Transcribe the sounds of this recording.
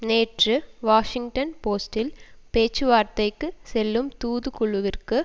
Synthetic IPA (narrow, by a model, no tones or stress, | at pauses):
neːʈrɯʋaːʂɪŋɡʈɐnpoːsʈɪlpeːt͡ʃːɯʋaːɾt̪ɐɪkːɯsɛlːɯmt̪uːðɯkʊɭʊʋɪrkɯ